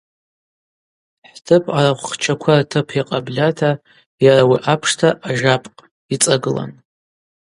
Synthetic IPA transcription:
ħtʰɨpʰaɾaχʷχt͡ʃʰakʷʰartʰɨpʰiqʼablʲatʰa | jaɾawiʔapʰʂtʰaʔːʒapʼqʼ | it͡sʼaɡɨla̰n

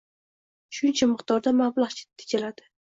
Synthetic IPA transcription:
ʃʊnt͡ʃʰamɨqt̪ɒɾd̪amablaχt͡ʃʰɪ̥t̪ʰːɪ̥kʰʲɪlad̪ɪ̥

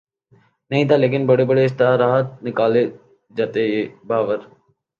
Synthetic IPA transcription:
nəɦĩt̪ʰaːleːk̬ɪnbəɽebəɽeɪst̪aɾaːɦət̪̚nɪkaːle | d͡ʒaːt̪eebaːʋəɾ

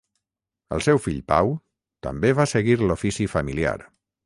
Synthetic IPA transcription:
ə̰lˠsɛwfiʎpa̰w | t̪ə̰mbeβasəɣiɾlufisifəmilia̰ɾ

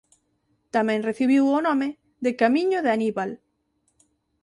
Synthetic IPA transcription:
t̪amɛ̃ŋreθiβiwonõme | ðekamĩɲoðeaniβal

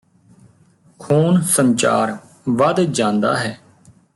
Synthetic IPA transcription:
kʰoːnsə̃ɲt͡ʃa̰ːɾ | ʋəd̪d͡ʒãːnd̪a̰ːɦɛː

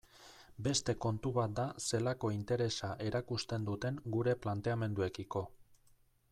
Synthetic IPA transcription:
be̞st̪e̞ko̞nt̪uβat̪̚d̪ase̞lako̞int̪e̞ɾe̞saʔe̞ɾakust̪e̞nd̪ut̪e̞ŋɡuɾe̞plant̪e̞ame̞nd̪ue̞kiko̞

